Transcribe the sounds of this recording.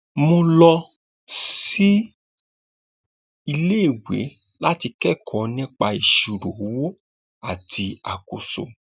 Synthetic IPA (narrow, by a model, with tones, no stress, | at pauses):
mo˧lɔ˧ | si˦ | i˧le˦i˦˨wḛ˨˦ | la˦ti˧kɛ˦˨kʰɔ̃˨˧nĩ˦k͡pa˧i˨ʃu˨ɾo˨˦wo˦ | a˦˨ti˧a̰˨ko˨so̰˨